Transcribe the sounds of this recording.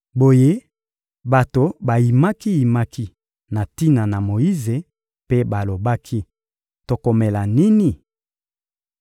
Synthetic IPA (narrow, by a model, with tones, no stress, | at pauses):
bo˨je˦ | ba˨to˨ba˨ji˨ma˦ki˦ji˨ma˦ki˦ | na˨ti˦na˨na˨mo˨ji˦ze˨ | pe˦ba˨lo˨ba˦kʰi˦ | to˨ko˨me˨la˨ni˦ni˨